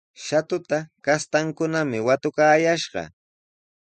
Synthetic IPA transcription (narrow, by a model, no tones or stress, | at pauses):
ʃat̪ʊt̪akast̪aŋkʊnamɪwat̪ʊkaːjaʃɢɑ̰